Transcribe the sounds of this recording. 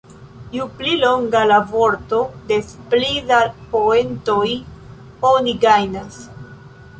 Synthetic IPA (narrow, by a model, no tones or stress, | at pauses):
juplilo̞ŋɡalavo̞ɾto̞de̞splidapoento̞j | oniɡajnas